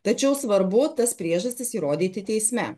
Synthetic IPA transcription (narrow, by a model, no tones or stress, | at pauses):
t̪ɐt͡ʃʲɛʊsʋɐɾbʊt̪ɐspʲɾʲiɛʒɐsʲt̪ʲɪsiɾoːd̪ʲiːt̪ʲɪt̪ʲɛɪsʲmʲɛ